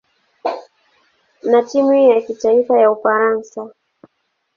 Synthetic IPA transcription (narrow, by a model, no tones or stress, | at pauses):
natimujakitaifajaufaɾansa